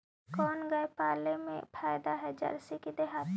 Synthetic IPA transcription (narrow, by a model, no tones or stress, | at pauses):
kɔːnɡɐjpaːlemḛ̃pʰaːjd̪aɦɛd͡ʒɐ̰ɾsikid̪eɦaːt̪